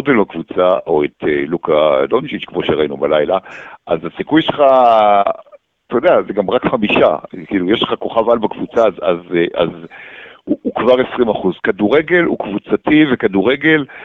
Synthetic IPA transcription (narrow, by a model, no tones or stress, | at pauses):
odelbakvut͡saʔo̞et̪elukalond͡ʒit͡ʃkmoʃeʁainubalajlaʔazasikujʃelχa | t̪ojod̪eazeɡamʁakχamiʃa̰kiːlujeʃleχako̞χavalbakvut͡sazazʔa̰z | uːkvaʁesʁimaχuzkaduʁe̞ɡe̞lṵkvut͡sativekaduʁe̞ɡe̞l